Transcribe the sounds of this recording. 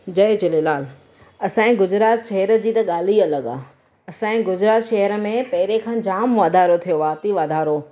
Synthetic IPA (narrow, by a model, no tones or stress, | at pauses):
d͡ʑɐɪd͡ʑɪlelaːl | ɐsãːĩɡʊd͡ʑɾaːt̪ʃɐɦəɾəd͡ʑiːt̪ɐɠaːl̤iɐləɡa̰ː | ɐsãːĩɡʊd͡ʑɾaːt̪ʃɐɦəɾə̆mẽpɐɦɪɾekʰãːd͡ʑaːmʋaːd̪ʱaːɾot̪ʰijoaːt̪iʋaːd̪ʱaːɾo